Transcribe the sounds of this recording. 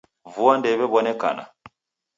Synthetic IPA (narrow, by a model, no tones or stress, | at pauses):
vuandɛβɛβɔnɛka̰na̰